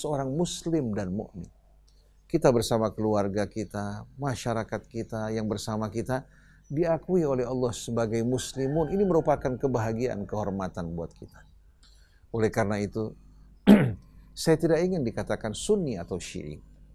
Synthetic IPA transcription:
səoɾaŋmuslɪmdanmṵʔmɪ̰ | kit̪abərsamakəluarɡakit̪amaʃaɾakat̪̚kit̪ajaŋbərsamakit̪a | diakuiolɛɦɑlːɑhsəbaɡajmuslimʊniniməɾupakankəbaɦaɡiaʔa̰nkəɦɔrmat̪anbuat̪̚kʰit̪ḁ | olɛhkaɾənait̪u | sajat̪idakiŋɪndikat̪akansunːiat̪awʃḭʔɪ̰

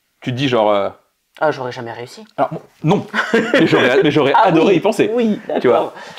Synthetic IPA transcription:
t̪yt̪d̪iʒɑ̃ʁø | aʒɔʁɛʒamɛʁeysialɔʁmwa | nɔ̃mɛʒɔʁɛmɛʒɔʁɛad̪ɔʁeipɑ̃sewid̪at̪yvwaʁ

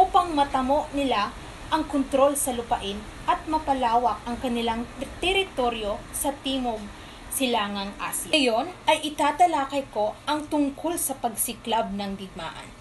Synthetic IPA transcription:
ʔuːpɐŋmɐt̪ɐmoʔnɪla | ʔɐŋkont̪ɾo̞lsɐlʊpɐʔɪn | ʔɐt̪̚mɐpɐlaːwɐk̚ʔɐŋkɐnɪlaŋt̪ɛɾɪt̪o̞ɾjo̞ | sɐt̪iːmoɡ̚ | sɪlaːŋɐŋʔa̰sɪɐjo̞nʔɐjʔɪt̪aːt̪ɐlaːkɐjko̞ʔɐŋt̪ʊŋkʰo̞lsɐpɐɡ̚sɪklab̚nɐŋɡɪɡ̚ma̰ːʔɐ̰n

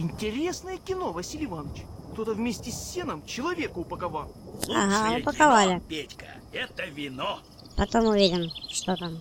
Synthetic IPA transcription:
ɪnʲtʲɪɾʲesnəjəkʲɪno̞vɐsʲilʲɪvanət͡ɕkt̪o̞t̪əvmʲesʲtʲɪsʲːenəmt͡ɕɪlˠɐvʲe̞kʊʊpəkɐvalˠa̰ɦaʊpəkɐvalʲɪpʲetʲkə̰ | ɛt̪əvʲɪno | pɐt̪omʊvʲedʲɪmʂt̪ot̪am

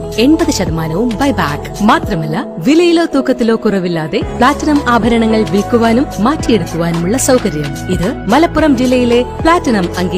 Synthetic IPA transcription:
e̞ɳbɐðɨɕɐd̪ɐmaːnɐʋumbɐjbaːkː | maːt̪rɐmɐlːɐ | ʋilɐjilo̞ːt̪uːkʰːɐt̪ːilo̞ːkːurɐʋilːaːðe̞pɭaːtːɐnɐmaːbʱɐɾɐɳɐŋːɐɭʋilkːuʋaːnumːaːtːijeɽukːuʋaːnumuɭːɐsɐwkɐɾjɐmiðɨmɐlɐpːurɐmd͡ʑilːɐjile̞pɭaːtːɐnɐmɐŋɡi

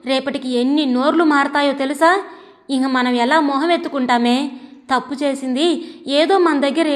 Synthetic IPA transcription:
ɾɛːpɐʈikienːino̞ːɾlumaːɾt̪aːjo̞ːt̪e̞lusaː | iŋkɐmɐnɐmɛlaːmɔːɦɐmet̪ːukuɳʈaːme̞ːt̪ɐpːut͡ʃeːsind̪ieːd̪o̞ːmɐnɐmd̪ɐɡːɐɾ

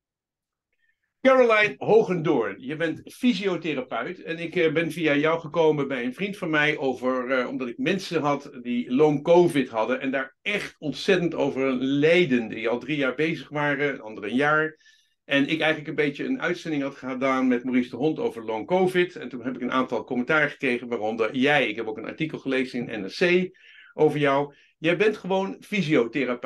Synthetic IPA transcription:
kɛɹolajnɦowχəndʊɹnjəbɛntfiziowtɪrapœɥtɛnɪkbɛnvijajʌwχəkowmənbɛjənvrintfɑnmɛjʔowvəɹɔ̰mdɑtɪk̚mɛnsəɦɑtdiloŋkowvɪtɦɑdənʔɛndaːɹɛχtɔntsɛtənto̰wvəɹlejdəndiɑlˠdrijaːɹbejzəχʋaːrəə̰nɑ̰ndərənjaːɹ | ʔɛnɪkɛjχələkənbejtjəənœ̰ɥtsɛndɪŋɦɑtχəədaːnmɛtmorisdəɦɔnto̰wvəɹlowŋkowvɪtɛ̰ntunɦɛpɪkənʔa̰ːntɑlˠkɔməntaːrəχə̥krejχənʋaːrɔmdəɹjɛjɪkɦɛpowkənɑ̰ɹtikəl̩ˠχəlejzənɪnɛ̰nɛsej | ʔowvəɹjɔw | jɛjbɛntχəʋownfiziowtɪrap

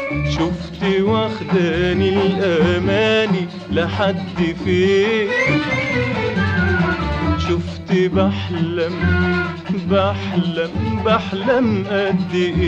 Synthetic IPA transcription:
ʃʊft̪iwaxt̪anilʔamaːli | laħad̪ːfi | ʃʊft̪ibaħlam | baħlambaħlamʔad̪ːiʔ

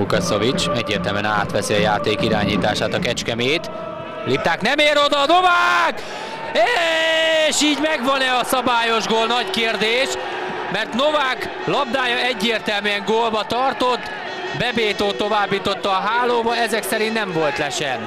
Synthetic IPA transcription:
ukɒsovit͡ʃɛɟːḛːrt̪ɛlmyɛna̰ːt̪ʋɛsiɒjaːt̪eːkiɾa̰ːɲiːt̪aːʃaːt̪ɒkɛt͡ʃkɛmeːt̪ | lip̚t̪aːknɛmeːɾo̞d̪ɒno̞vaːk | eː | ʃiːɟmɛɡʋɒnɛɒsɒbaːjo̞ʒɡoːlnɒckeːrd̪eːʃ | mɛrt̪no̞vaːk | lɒb̚d̪aːjɒɛɟːeːrt̪ɛlmyɛŋɡoːlbɒt̪ɒrt̪o̞t̪ː | bɛbeːt̪oːt̪o̞vaːbːiːt̪o̞t̪ːɒːɦaːloːbɒɛzɛksɛɾint̪nɛɱvo̞lt̪lɛʃɛn

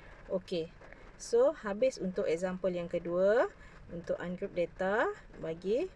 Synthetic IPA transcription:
ʔoke | sohabɪsunt̪ʊʔɛk̚zampəljaŋkədua | unt̪ʊʔanɡɾup̚det̪a | baɡi

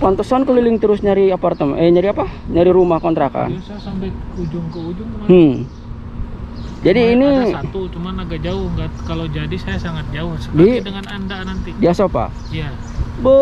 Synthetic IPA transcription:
pant̪ɔsankəlilɪŋt̪əɾʊsɲaɾiapart̪əməɲaɾiapaɲaɾiɾumahkɔnt̪ɾaka̰n | ud͡ʒŋud͡ʒŋhə | d͡ʒadiːnit̪ut͡ʃumanaɡad͡ʒaʊhŋɡakalod͡ʒadisajasaŋat̪̚d͡ʒaʊhsədidəŋanandanant̪idiasopa̰ | ija | bə

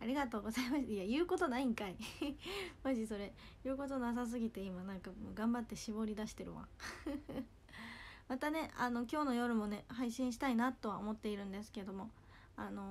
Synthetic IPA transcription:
aɾʲiɡat̪o̞ːɡo̞zaimasiajɯ̟ːko̞t̪o̞naĩŋkai | maʑiso̞ɾe̞ | jɯ̟ːko̞t̪o̞nas̬as̬ɨɡʲit̪e̞imanãŋkaɡãmbat̪ːe̞ɕibo̞ɾʲid̪aɕi̥t̪e̞ɾɯ̟̰βa̰ | mat̪ane̞ano̞kʲo̞ːno̞jo̞ɾɯ̟mo̞ne̞haiɕĩɰ̃ɕ̬i̥t̪ainat̪ːo̞βaomo̞t̪ːe̞iɾɯ̟̃nd̪e̞sɨ̥ke̞d̪o̞mo̞ | ano̞

